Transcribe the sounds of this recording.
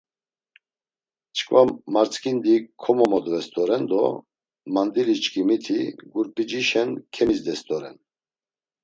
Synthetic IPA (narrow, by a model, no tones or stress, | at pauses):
t͡ʃʰkʰʼvamːaɾt͡sʰkʰʼind̪ikʰɔmɔmɔd̪vɛst̪ʼɔɾɛnd̪ɔ | mand̪iɾit͡ʃʼkʼimit̪ʰiɡuɾpʼid͡ʒiʃɛnkʰɛmisd̪ɛst̪ʼɔɾɛ̰n